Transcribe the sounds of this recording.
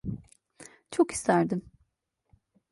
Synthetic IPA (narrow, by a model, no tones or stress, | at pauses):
t͡ʃʰoki̥st̪ʰæɾd̪im